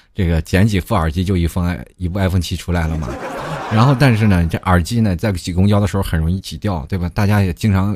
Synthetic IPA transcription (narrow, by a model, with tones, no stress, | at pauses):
ʈ͡ʂɤ˥˩ɡə˩t͡ɕjɛ˧˥nt͡ɕi˨˩fu˥˩ə˞˨˩t͡ɕi˥t͡ɕjo˥˩ʊi˧˥fə˥ŋ˥˩ɪi˧˥pu˥˧a˥ɪfə˥ŋt͡ɕʰi˧˥ʈ͡ʂʰu˥la˧˥ɪlə˨mɐ̰˨˩ɻa˧˥nxo˥˧ʊt̪a˥˧nʂ̬ɻ̩˥˩nə˩ʈ͡ʂʔə˞˨˩t͡ɕi˥nə˨t͡sa˥˩ɪt͡ɕi˨˩kʊ˥ŋt͡ɕjɑ˥ʊd̪ə˨ʂɻ̩˧˥xo˥˩xə˨˩nɻʊ˧˥ŋi˥˩t͡ɕʰi˨˩t̪jɑ˥˩ʊt̪we˥˩ɪbɐ˩t̪a˥˩t͡ɕja˥jɛ˨˩t͡ɕi˥ŋʈ͡ʂʰɑ˧˥ŋ